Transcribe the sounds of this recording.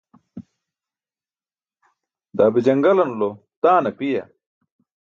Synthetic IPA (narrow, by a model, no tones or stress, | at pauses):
d̪aːbid͡ʑɐŋɡɐlɐnulo | t̪aːnɐpijɐ̰